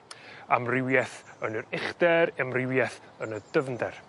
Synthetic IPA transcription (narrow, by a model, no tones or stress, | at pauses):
a̰mrɪwjɛθənɨɾɪχd̥ɛɾɛmrɪwjɛθ | ənəd̥əvndɛr